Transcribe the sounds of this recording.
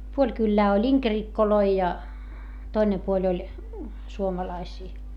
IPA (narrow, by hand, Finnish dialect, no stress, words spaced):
puolʲ kylːæː olʲ iŋkerikːoloi jɑ toine puolʲ olʲ suomɑlɑisiː